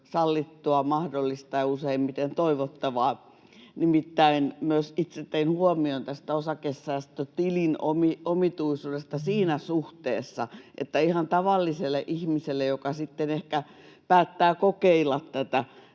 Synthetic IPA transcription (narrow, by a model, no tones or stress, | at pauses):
sɑlːit̪ːuɑmɑhdolːist̪ɑjɑuseimmit̪ent̪oiʋot̪ːɑʋɑː | nimit̪ːæinmyøsit̪set̪ːeinhuomiont̪æst̪æosɑkesːæist̪ːøt̪ilinomiomit̪uisuːdest̪ɑsiːnæsuht̪eːsːɑʔḛt̪ːæihɑnt̪ɑʋɑlːiselːˑeʔihmiselːejokɑsit̪ːenehkæ | pæːt̪ːæːkokeilːɑt̪tæt̪æ